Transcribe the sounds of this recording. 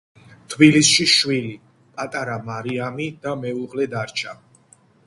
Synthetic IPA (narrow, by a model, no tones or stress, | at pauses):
t̪ʰbilisʃiʃwili | pʼat̪ʼaɾamaɾiamid̪̥amɛuʁlɛd̪aɾt͡ʃʰa